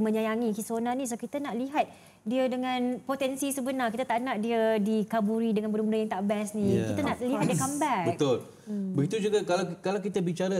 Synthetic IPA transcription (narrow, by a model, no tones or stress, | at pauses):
mə̃ɲajaŋikisonanĩsəbapkit̪anaʔliɦat̪̚ | diədəŋãnpot̪ɛnsisəbənarkit̪at̪aʔnaʔdiədikabuɾidəŋanbəɾumndəjaŋt̪aʔbɛsnĩkianaʔliɦat̪̚diəkambɛkbəkt̪ol | bəɡit̪ud͡ʒuɡakalakalawkit̪abit͡ʃaɾa